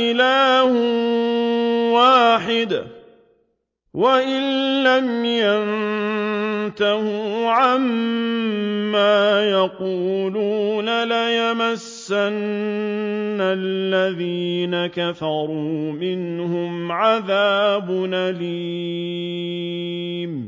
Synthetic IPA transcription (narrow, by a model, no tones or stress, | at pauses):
ɪlaːh | waːħɪd̪ | waʔɪnːamjan | t̪ahuʕam | aːjaquːluːnalajamasːanː | alːaðiːnakafɑɾˤuːmɪnhʊmʕaðaːbʊnali | m